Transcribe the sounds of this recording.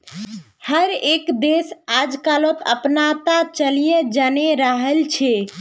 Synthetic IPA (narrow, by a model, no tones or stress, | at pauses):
həɾekd̪esad͡ʒkalot̪ə̰pnat̪at͡ʃəlijed͡ʒaneɾəɦəlt͡ʃʰɛ